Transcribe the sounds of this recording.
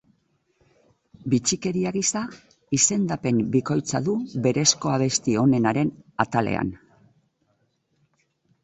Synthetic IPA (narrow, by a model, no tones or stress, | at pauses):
bit͡ʃike̞ɾiaɣisa | ise̞nd̪ape̞mbiko̞jt͡sa̰ðuβe̞ɾe̞sko̞aβ̞e̞st̪io̞ne̞naɾe̞nat̪ale̞̰a̰n